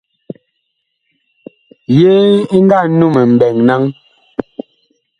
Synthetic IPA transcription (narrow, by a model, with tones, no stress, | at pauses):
je˦i˦ŋ̩˦ɡa˦˨nu˦˨mɛ˨m̩˨bɛ˨ŋna˦ŋ